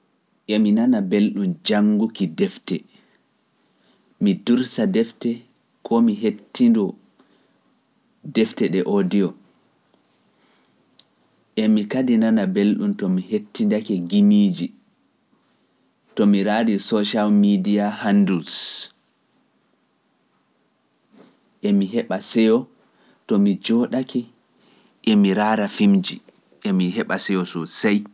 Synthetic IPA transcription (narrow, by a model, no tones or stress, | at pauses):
ʔɛminanabelɗumd͡ʒaŋɡukidɛftɛ | miduɾsadɛftɛ | kʰɔmiɦetʰːindɔ | dɛftɛɗɛʔodijɔ | ʔɛmikadinanabelɗumtɔmihetʰːindakɛɡimiːd͡ʒi | tɔmiɾaːɾisɔʃalmidiahandus | ʔɛmiɦɛɓasɛjɔ | tɔmid͡ʒɔɗakʰɛ | ʔɛmiɾaɾafimd͡ʒi | ʔɛmiɦɛɓasɛjɔsɔsaj